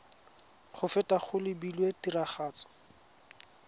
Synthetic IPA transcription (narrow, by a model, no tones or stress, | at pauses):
χʊfɛtaχʊlɪbilwetiraχaːt͡sɔ̥